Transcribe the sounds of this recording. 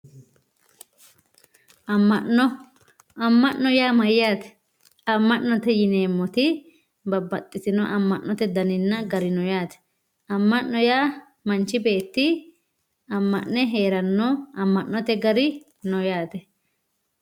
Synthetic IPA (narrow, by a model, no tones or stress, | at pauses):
ɐmːɐʔɔ | ɐmːɐʔːɔjaːmɐjːaːt̪ɛ̥ | ɐmːɐʔnɔt̪ɛjɪneːmːɔt̪ɪ | bɐbːɐt̪ʼːɪsɪnɔʔɐmːɐʔːɔt̪ɛd̪ɐnɪnːɐɡɐɾɪnɔjaːt̪ɛ̥ | ɐmːɐʔːɔjaː | mɐnt͡ʃːɪbe̞ːt̪ːɪ | ɐmːɐʔnɛɦe̞ːɾɐnːɔɐmːɐʔːɔt̪ɛɡɐɾɪ | nɔjaːt̪ɛ